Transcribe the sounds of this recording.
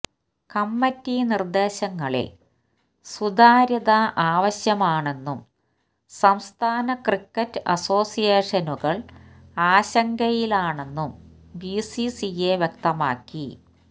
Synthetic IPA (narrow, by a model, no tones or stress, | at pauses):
kɐmːɐtːinird̪e̞ːɕɐŋːɐɭḭl | sud̪aːɾɐðɐʔaːʋɐɕjɐmaːɳe̞nːum | sɐmst̪ʰaːnɐkrikːɐtːɨɐ̰so̞ːsijeːʂɐnuɣɐɭaːɕɐŋɡɐjilaːɳe̞nːum | bisisijeʋjek̚t̪ɐma̰ːkːi